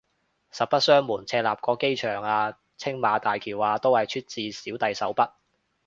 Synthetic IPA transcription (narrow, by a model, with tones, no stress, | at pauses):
sɐ˨t̚pɐ˥t̚sœː˥ŋmuː˨˩nt͡sʰɛː˧laː˨p̚kɔː˧ke˥jt͡ʃʰœː˨˩ŋaː˧ | t͡sʰɪ˥ŋmaː˨˧t̪aː˨jkʰiː˨˩waː˨˧t̪o˥whɐ˨jt͡ʃʰyː˥t̚t͡siː˨˧siː˨˥wt̪ɐ˨jsɐ˨˥wpɐ˥t̚